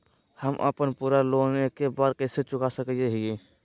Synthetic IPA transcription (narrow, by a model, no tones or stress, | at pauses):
həmʔə̰pənpuɾaloɡmekebaɾkəset͡ʃʊkasəkieɦii